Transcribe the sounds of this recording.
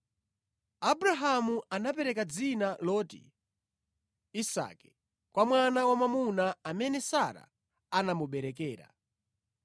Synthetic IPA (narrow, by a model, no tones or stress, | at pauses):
abɾaɦamuanapɛɾɛkad͡zinalɔːtḭ | isa̰kɛ̥ | kwamwanawamamunaamɛnɛsaɾa̰ | anamuɓɛɾɛk̬ɛːɾa̰